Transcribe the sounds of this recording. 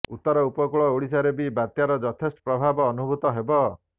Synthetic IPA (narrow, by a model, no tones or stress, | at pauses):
ut̪ːɔɾɔupɔkuɭɔoɽisaɾebibat̪jaɾɔd͡ʒɔt̪ʰesʈɔ̥pɾɔbʱabɔːnubʱut̪ɔɦebɔ